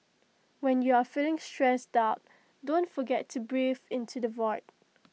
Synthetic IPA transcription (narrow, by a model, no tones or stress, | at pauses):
wɛ̃njuafilɪ̃ŋstɹɛstaʊt̚ | dõntfɔɡɛtʰːubɹivɪ̃ntʰudəvɔɪt̚